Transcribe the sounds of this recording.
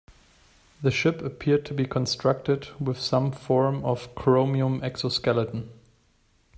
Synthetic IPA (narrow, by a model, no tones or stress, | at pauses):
ðɨʃɪpəpʰɪɹd̚tʰubikʰə̃nstɹ̥ʌk̚tɪdwɪð̥sʌ̃mfɔɹmʌv̥kʰɹoʊmiə̃mɛksɔskɛlˠətn̩